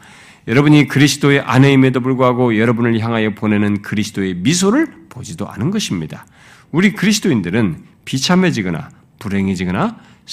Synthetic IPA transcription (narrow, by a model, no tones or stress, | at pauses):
jʌɾʌbuɲikɯɾisʰɯ̥doe̞ʔaneime̞dopuɭɡoɦaɡojʌɾʌbunɯɭçjaŋɦajʌpone̞nɯnkɯɾisʰɯ̥d̥oe̞mis̬ʰoɾɯɭpod͡ʑidoʔa̰nɯnɡʌɕʰimɲid̥a | uɾikɯɾisʰɯ̥doindɯɾɯnpit͡ɕʰame̞d͡ʑiɡɯna̰ | puɾe̞ŋed͡ʑiɡɯna